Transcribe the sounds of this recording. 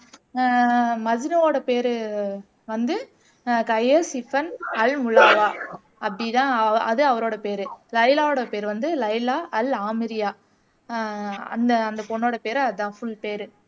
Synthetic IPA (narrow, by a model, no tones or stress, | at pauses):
mɐd͡ʒɪnɐoːɽɐpeːɾɯ | ʋɐnd̪ɯ | kɐɪɐsɪfɐnɐlmʊɭaːʋaː | ɐpɐɽit̪ãːɐɐ̰ðɯɐʋɐɾoːɽɐpeːɾɯlɐɪlaːoːɽɐpeːɾʋɐnd̪ɯlɐɪlaːʔɐlaːmɪɾɪjaː | ɐ̰nd̪ɐːnd̪ɐpɔɳːoːɽɐpeːɾɐðɯt̪ãːfʊɭpeːɾɯ